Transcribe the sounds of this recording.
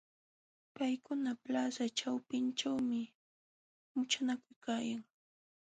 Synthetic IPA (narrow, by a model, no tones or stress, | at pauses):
pajkʊnaplasat͡ʃawpɪnt͡ʃawmɪ | mʊt͡ʃanakʊjkaːjaŋ